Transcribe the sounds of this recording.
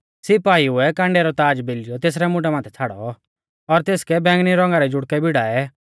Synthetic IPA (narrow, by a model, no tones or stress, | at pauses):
sɪpaːiʊɛkãːɳɖɛɾɔt̪aːd͡ʒbelɪjɔt̪eːs̬ɾɛmʊʈɛmãːt̪ʰɛt͡sʰaːɽɔ̰ | ɔɾt̪eːskɛbɛ̃ːŋɡniɾɔ̃ːŋɡaɾɛd͡ʒʊɽkɛbɪɽaːɛ